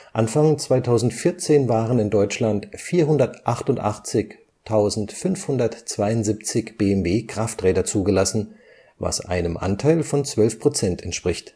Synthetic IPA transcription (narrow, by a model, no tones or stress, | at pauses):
ʔanfaŋt͡sv̥aɪtʰaʊzn̩tfɪɐt͡seːnvaːʁənɪndɔʏt͡ʃlantfiːɐɦʊndɐtʔaχtʊntʔa̰χt͡sɪç | tʰaʊzn̩tfʏnfhʊndɐtt͡sv̥aɪʊntz̥ip̚t͡sɪçb̥eːɛmveːkʁ̥aftʁɛːdɐt͡suːɡəlasn̩ | va̰sʔa̰ɪnəmʔa̰ntʰaɪlfɔnt͡sv̥œlfpʁ̥ot͡sɛntɛntʃpʁ̥ɪçt